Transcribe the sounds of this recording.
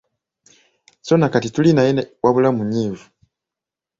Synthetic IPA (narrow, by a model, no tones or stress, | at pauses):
sonakatitulinajenwʔaβulamuɲiːvu